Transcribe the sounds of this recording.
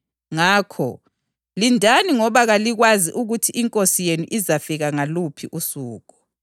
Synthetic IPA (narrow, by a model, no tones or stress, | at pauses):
ŋaːkʰɔ | lindʱaniŋɔβaɣaliɣwaziʔuɣutʰiʔiŋkʼosijenuʔizafiɣaŋalupʰiʔusuːɣɔ